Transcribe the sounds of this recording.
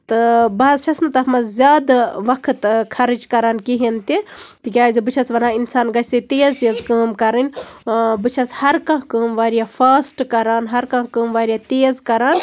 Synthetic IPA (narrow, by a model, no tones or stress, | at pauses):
t̪ɨbɐzt͡ʃʰɐsnɨt̪ɐɦmɐzzʲaːd̪aʋɐkʰət̪kʰɐɾɨd͡ʒkɐɾaːnkiɦint̪it̪ikʲaːzibɨt͡ʃʰɐsʋɐnaːinsaːnɡɐset̪eːzt̪eːzkəːmkɐɾɨnʲ | bɨt͡ʃʰɐshɐɾkɐ̃ɦkəːmʋaːɾijapʰaːsʈkɐɾaːnɦɐɾkɐ̃kəːmʋaːɾʲijat̪eːzkɐɾaːn